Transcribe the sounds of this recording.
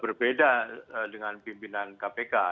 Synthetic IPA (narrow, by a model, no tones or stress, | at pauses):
bərbedaədəŋanpimpinankapeka